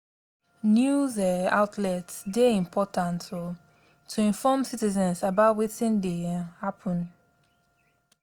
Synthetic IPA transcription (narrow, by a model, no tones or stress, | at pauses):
njuzɛa̰ʊtʰlɛtsdeĩmpʰɔtʰãnt | tʰuĩɱfɔmsitizɛ̃nsabaʊtwitɪ̃ndehapʰə̃n